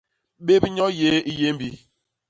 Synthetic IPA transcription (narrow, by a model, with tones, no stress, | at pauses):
ɓe˦bɲɔ˦je˦i˦je˦m̩˦bi˦